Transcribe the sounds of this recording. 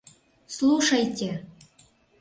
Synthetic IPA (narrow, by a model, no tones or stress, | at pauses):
slˠuʂɑjtʲɘ̆